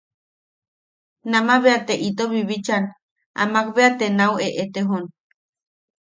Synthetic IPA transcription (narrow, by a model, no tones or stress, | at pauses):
namaβeat̪eʔit̪oβiβit͡ʃan | a̰mak̚βeat̪enaweʔet̪eɦon